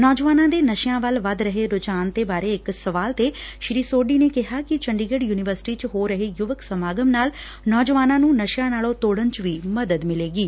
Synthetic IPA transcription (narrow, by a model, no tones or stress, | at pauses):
nɔːd͡ʒʋaːnãːd̪eːnəʃjãːʋəlʋəd̪ɾəɦeːɾʊd͡ʒaːnt̪eːbaːɾeːɪksəʋaːlt̪eːʃɾiːsoːɖiːneːkɪɦaːkɪt͡ʃəɳɖiːɡəɖjuːnɪʋəɾsɪ̥ʈiːt͡ʃɦoːɾəɦeːjʊʋəksəmaːɡəmnaːl | nɔːd͡ʒʋaːnãːnũːnəʃjãːnaːlõːt̪oːɽənt͡ʃʋiːməd̪əd̪mɪleːɡiː